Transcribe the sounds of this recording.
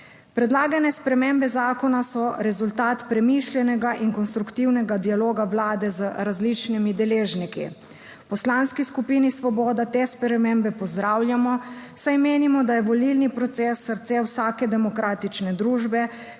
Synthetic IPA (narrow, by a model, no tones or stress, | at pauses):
pɾɛd̪laːɡanɛspɾɛmembɛzaːkɔnasɔɾɛzult̪aːt̪pɾɛmiʃljɛnɛɡaʔiŋkɔnst̪ɾukt̪iwnɛɡad̪ialoːɡawlaːd̪ɛzəɾazlit͡ʃnimid̪ɛleːʒnikḭ | pɔslanskiskupiːnisʋɔbɔːd̪at̪espɾɛmembɛpɔzd̪ɾawljamɔsajmeːnimɔd̪ajɛʋɔlilnipɾɔt̪seːsːəɾt̪sewsaːkɛd̪ɛmɔkɾaːt̪it͡ʃnɛd̪ɾuːʒbɛ